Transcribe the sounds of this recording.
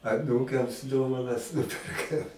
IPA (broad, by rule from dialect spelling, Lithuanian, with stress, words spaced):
ɐˈnuːkɐms ˈdoːʋɐnɐs ˈnʊpʲɛrkɐm